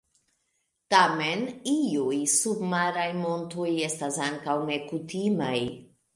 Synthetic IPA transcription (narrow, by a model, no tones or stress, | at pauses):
tame̞niujsubmaɾajmo̞ntuje̞stasaŋkawne̞kutimaj